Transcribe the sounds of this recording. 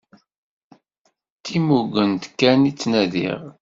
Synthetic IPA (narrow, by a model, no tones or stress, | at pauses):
t̪ːimuɡənt̪kːænit͡sːnæðḭʁ